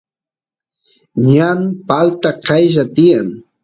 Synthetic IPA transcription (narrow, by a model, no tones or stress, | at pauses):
ɲanpalt̪aqʰɑjʒat̪ɪjaŋ